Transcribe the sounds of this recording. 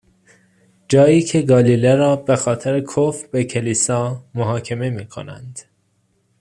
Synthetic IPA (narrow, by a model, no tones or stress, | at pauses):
d͡ʒɒːjiːcʰe̞ɡɒːliːleɾɒːbexɒːt̪ʰeɾekʰofbecʰe̞liːsɒːmoɦɒːcʰeme̞miːkʰo̰næ̰nd̪̥